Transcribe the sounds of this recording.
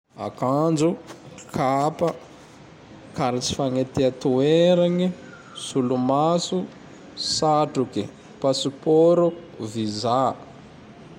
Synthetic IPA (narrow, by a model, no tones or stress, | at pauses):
a̰kand͡zukʰapə | kaɾit͡si̥faŋet̪eat̪ueɾaɲi | sulumasu | saʈ͡ʂuki | pasupoɾu | viza